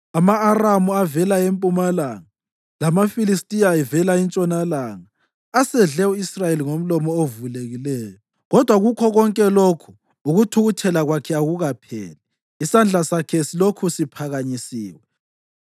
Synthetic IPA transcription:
amaːramuavɛlaempʼumalaŋa | lamafilistʼijaɛvɛlaint͡ʃʼɔnalaŋaː | sɛɮɛuisrajeliŋom̩lɔmɔovuleɣilɛːjɔ | ɣɔd̥ʱwaɣukʰɔɣɔŋkʼɛlokʰu̥ | uɣutʰuɣutʰɛlaɣwakʰɛaɣuɣapʰɛ̰ːlɛ | isand͡ɮʱasakʰɛsilokʰusipʰaɣaɲisiːwɛ

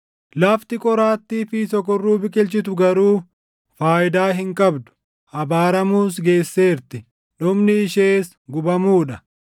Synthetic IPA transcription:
lɐft̪ɪkʼɔɾaːt̪ːiːfiːsɔkɔrːuːbɪkʼɪlt͡ʃɪt̪ʊɡɐɾuː | faːʔɪd̪aːɦɪŋkʼɐbd̪ʊ̥ | hɐbaːɾɐmuːs̬ɡe̞ːsːe̞ːɾt̪ɪ | ᶑʊmnɪːʃeːs | ɡʊbɐmuːᶑɐ

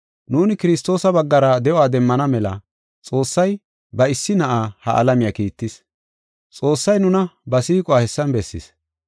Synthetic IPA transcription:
nuːnɪkɪɾɪst̪ːo̞ːsɐbɐɡːɐɾɐd̪ɛowaːd̪ɛmːɐnɐmɛlɐ̰ | t͡sʼo̞ːsːɐj | bɐɪsːɪnɐʔaːhɐ̰ʔɐ̰lɐmɪjakiːt̪ːɪs | t͡sʼo̞ːsːɐjnʊnɐbɐsiːkʼɔaːhɛsːɐnbɛsːɪ̰s

